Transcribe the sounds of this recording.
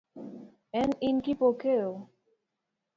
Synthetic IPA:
ɛninkipokeo

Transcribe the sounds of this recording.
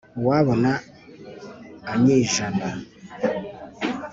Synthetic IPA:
waβəna | aɲeʒanda

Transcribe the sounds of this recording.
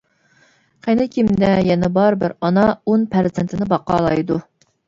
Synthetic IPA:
qɛnɪkʲʰimd̪ɛjɛnɛbɑɾbɪ̰ɾɑnɑonpʰæɾzɪnt̪ʰɪnɪbɑqɑːlˠɑjd̪u

